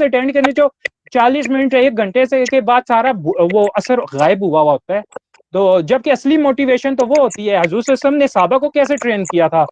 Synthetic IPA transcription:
eʈẽːɳɖkɐɾned͡ʒoː | t͡ʃaːliːs̬mɪnəʈeːk̚ɡʱɐ̃ɳʈesekebaːd̪̚saːɾaʋoʔɐsəɾɣaːɪbɦʊaaɦoːt̪aɦɛː | t̪oːd͡ʒɐb̚kiɐslimoːʈiʋeːʃənt̪oʋoɦoːt̪iɦɛːɦɐzuːɾsɪsəmnesaːbakokɛːseʈɾeːnkijat̪ʰaː

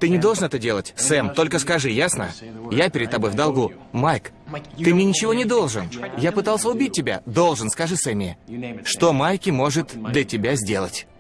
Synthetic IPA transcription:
t̪ɨnʲɪd̪olˠʐɨnɛt̪ədʲe̞lˠətʲsɛmt̪o̞lʲkəskɐʐɨjasnə̰japʲɪɾʲɪdt̪t̪ːɐbo̞jvd̪ɐlˠɡu | majk | t̪ɨmnʲenʲɪt͡ɕɪvo̞nʲɪd̪o̞lˠʐɨnjapɨt̪ɑlˠsʲəʊbʲit̚ʲtʲːɪbʲa̰d̪o̞lˠʐɨnskɐʐɨsɛmʲɪ̰ʂt̪o̞majkʲɪmo̞ʐɨt̪d̪lʲətʲɪbʲazʲdʲe̞lˠə̰tʲ

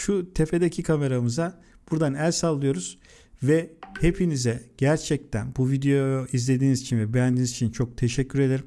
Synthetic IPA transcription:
ʃut̪ʰe̞fe̞d̪ecʰikʰame̞ɾamɯza | b̥uɾd̪anælʲsalˠːɯjo̞ɾuz̥ | vɛhe̞pʰinizɛɟ̥æɾt͡ʃʰɛc̚t̪ʰænbuvid̪ejojizlʲe̞d̪iːnizit͡ʃʰinvɛbyænd̪inizit͡ʃʰint͡ʃʰo̞k̚t̪ʰe̞ʃɛcʰːyɾe̞d̪eɾim

